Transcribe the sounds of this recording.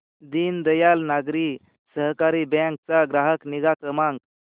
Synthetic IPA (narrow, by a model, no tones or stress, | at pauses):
d̪iːnd̪əjalnaɡɾiː | səɦkaɾibɛ̃k̚t͡saɡɾaɦəkniɡakɾəmãŋk